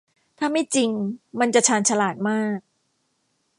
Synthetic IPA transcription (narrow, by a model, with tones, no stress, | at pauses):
t̪ʰaː˥˩ma˥˩jt͡ɕi˧ŋma˧nt͡ɕa˨˩t͡ɕʰaː˧nt͡ɕʰa˧laː˨˩t̪̚maː˥˩k̚